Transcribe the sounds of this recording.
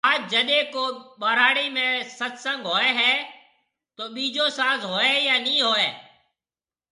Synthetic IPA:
aːd͡ʒd͡ʒəɗẽːkoːɓaːɾaːɽiːmẽːsət̪sə̃ŋɡɦoːɛːɦɛː | t̪oːɓiːd͡ʒoːsaːzɦoːeːjaːnĩːɦoːeː

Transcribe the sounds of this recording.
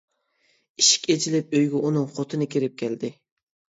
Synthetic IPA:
iʃi̥kʲet͡ʃʰilɪp̚øjɡʲɛunɨŋqʰot̪ʰɨnɨkʲʰiɾɪp̚kʲʰæld̪ɪ

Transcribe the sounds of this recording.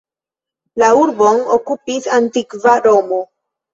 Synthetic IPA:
lauɾbo̞nokupisantikvaɾo̞mo

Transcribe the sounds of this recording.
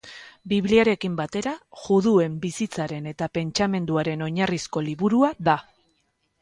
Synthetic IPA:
biβliaɾe̞kimbat̪e̞ɾaʝuðue̞mbisit͡saɾe̞ne̞t̪ape̞nt͡ʃame̞nd̪uaɾe̞no̞ɲarisko̞liβuɾuaða

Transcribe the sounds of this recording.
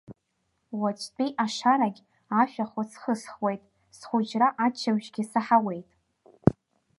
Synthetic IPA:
wat͡ʃʰʼtʼiʔaʂaɾaɡʲ | aʃᶣaχʷasχəsχwe̞jtʼ | sχʷʊd͡ʒraʔat͡ʃʰaɥʒɡʲisaħawe̞jtʼ

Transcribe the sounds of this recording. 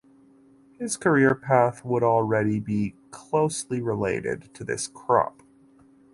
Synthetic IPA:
hɪz̥kʰə˞ɪɹpʰæθwəɾl̩ˠɹɛɾibikʰl̥oʊsliɹɪleɪɾɪ̰d̚tʰɨðɪ̰skʰɹ̥ɑ̰p

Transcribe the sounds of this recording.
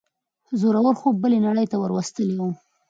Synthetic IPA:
zoɾawəɾxobːəlenaɽəjt̪awəɾwast̪əliwu

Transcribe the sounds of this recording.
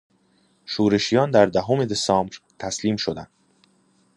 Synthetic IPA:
ʃuːɾe̞ʃijɒːnd̪æɾd̪æɦome̞d̪esɒːmbɾt̪ʰæsliːmʃo̞d̪ænd̪̥

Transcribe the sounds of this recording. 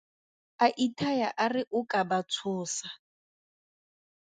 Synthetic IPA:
aʔitʰajaʔarɪʔʊkʼabat͡sʰʊːsa

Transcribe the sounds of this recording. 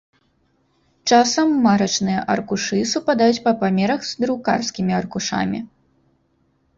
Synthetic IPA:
t͡ʂasɐmːaɾɐt͡ʂnɨjɐʔɐrkuʂɨsupad̪ajut͡sʲpɐpamʲɛɾɐxz̥d̪ɾuka̰rskʲimʲiɐrkuʂa̰mʲḭ

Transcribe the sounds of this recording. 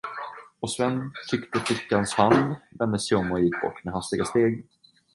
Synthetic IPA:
ɔsvɛnːt̪ʰʏkt̪əflɪkːanshand̪vɛnd̪əsɛɔmːɔjɪkːbɔ̰ʈːmɛːɦast̪ɪɡast̪eːɡ

